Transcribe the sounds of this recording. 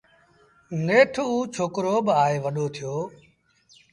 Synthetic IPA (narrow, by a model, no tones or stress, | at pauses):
ŋeːʈʰuːt͡ʃʰoːkɾoːɓaːeːʋəɗoːt̪ʰɪjoː